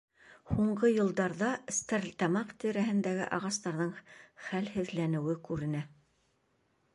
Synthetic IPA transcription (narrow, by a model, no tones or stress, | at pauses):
huɴɢɤjɤ̆lˠd̪ɑɾðɑst̪ɘɾlʲt̪ɑmɑqt̪ĭɾæɦɘ̆nd̪æɡɘ̰ʔɑʁɑst̪ɑɾðɤɴχælhɘ̆ðlænɘ̆wɘkʉɾɘ̆næ